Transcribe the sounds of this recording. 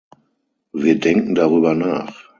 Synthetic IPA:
viːɐdɛŋkŋ̩daʁyːbɐnaːχ

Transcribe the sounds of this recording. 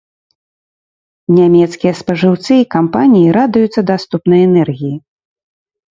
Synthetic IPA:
nʲamʲɛt̪skʲijɐspɐʐɨwt̪sɨikampanʲijiɾad̪ujut̪sːɐd̪ast̪upnɐjɛnɛrɣʲiji

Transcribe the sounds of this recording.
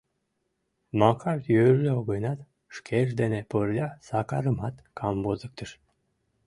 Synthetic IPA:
mɑkʰɑrt̪jøɾløoɣojnɑt̪ | ʃkʰeʃ̬d̪eneporlʲɑsɑkɑɾəmɑt̪kʰɑmbozək̚t̪əʃ

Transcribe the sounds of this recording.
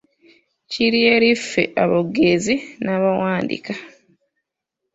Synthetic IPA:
ciɾieɾife̞̰ʔaβoɡezinaːβawaːndḭka

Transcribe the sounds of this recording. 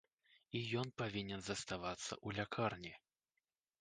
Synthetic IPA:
ijɔnpavʲinʲɛnzɐst̪avat̪sːɐ̰ʔulʲakʰarnʲi

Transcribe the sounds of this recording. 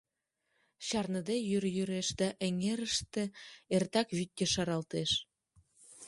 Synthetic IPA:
ɕɑrnəd̪ejyɾjyɾeʃd̪ɑʔə̆ŋeɾəʃt̪ĕert̪ɑkβyt̪̚ʲkʲeʃɑɾɑlt̪eʃ

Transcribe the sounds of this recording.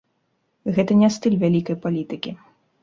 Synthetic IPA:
ɣɛt̪ɐnʲɛst̪ɨlʲvʲalʲikɐjpalʲit̪ɨkʲi

